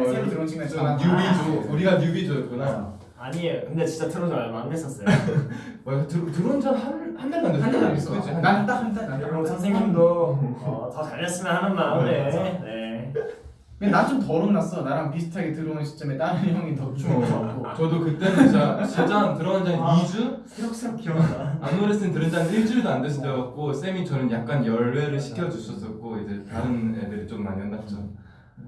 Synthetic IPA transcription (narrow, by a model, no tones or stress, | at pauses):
eotɯɾʌnɕʰiŋɡanaɲjubid͡ʑouɾiɡaɲubid͡ʑoʌt̚k͈una | aɲiejokɯnde̞t͡ɕint͡ɕ͈atʰɯɾod͡ʑoaɭɡoɦanɡes͈ʌs͈ʌjo | wtɯɾtɯɾond͡ʑʰʌnɦaɭhanmjʌnɡʌndosʰaŋd͡ʑanaɡes͈ʌkʌd͡ʑonat͈akʰataosʰaŋs̬ʰeŋɲimndoʌtʌt͡ɕaɭːʌs͈ɯmjʌnhanɯnmaene | kɯenat͡ɕomtʌɾɯnas͈ʌnaɾɦanpisʰɯ̥tʰaɡitɯɾɯnɯnɕʰi̥t͡ɕ͈ʌmet͈aɾɯnjʌŋitʌt͡ɕ͈ʰuk͈ot͡ɕʌdokɯt͈enit͡ɕat͡ɕed͡ʑaŋtɯɾʌand͡ʑaeid͡ʑu | iɾʌks͈akoamuɾes͈ʰɯntɯɾɯnd͡ʑaniɭt͡ɕ͈uidoandɯɕʰidʌɡak͈os͈emit͡ɕʌnɯnjak̚k͈anjʌɭwe̞ɾɯɭɕʰi̥kʰjʌd͡ʑuɕʰʌs͈ʌk͈oid͡ʑɯɭtaɾɯnḛdɯɾit͡ɕ͈omːaɲjʌnːat͡ɕ͈ʌ